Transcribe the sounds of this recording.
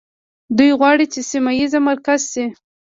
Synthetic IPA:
d̪ujɣwɑɽit͡ʃesimajizamaɾkazsi

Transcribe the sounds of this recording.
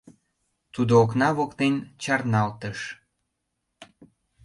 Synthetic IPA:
t̪ud̪oːknɑβokt̪ent͡ɕɑrnɑlt̪əʃ

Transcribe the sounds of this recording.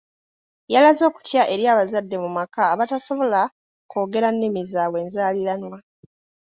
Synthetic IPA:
jalazo̞ːku̥tjaʔe̞ɾjaːβazadːe̞mumakaːβataso̞βo̞la | ko̞ːɡe̞ɾanːimizaːwe̞ːnzaːlilanwa

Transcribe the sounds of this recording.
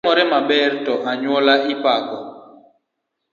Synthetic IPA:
ɔɾɛmaɓɛɾtɔʔaɲwɔlaʔipakɔ

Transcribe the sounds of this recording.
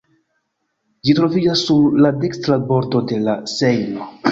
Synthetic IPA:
d͡ʒitɾo̞vid͡ʒasːuɾlade̞kstɾabo̞ɾto̞de̞lase̞jno̞

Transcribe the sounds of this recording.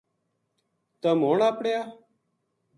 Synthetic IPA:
t̪əmoːɳaːpɽejaː

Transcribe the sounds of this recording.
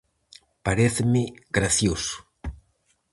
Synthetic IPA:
paɾeθemeɡɾaθjosu̥

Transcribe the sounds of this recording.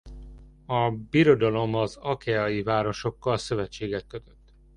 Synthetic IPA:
ɒbiɾo̞d̪ɒlo̞mɒzɒkɛɒjivaːɾo̞ʃo̞kːɒlsøvɛt͡ʃːeːɡɛt̪̚kø̞t̪øt̪ː

